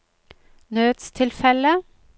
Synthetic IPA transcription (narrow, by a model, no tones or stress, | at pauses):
nøːd̪st̪ʰɪlfɛlə